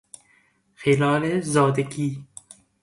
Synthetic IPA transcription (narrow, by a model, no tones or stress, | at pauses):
xelɑːlezɒːd̪eɡiː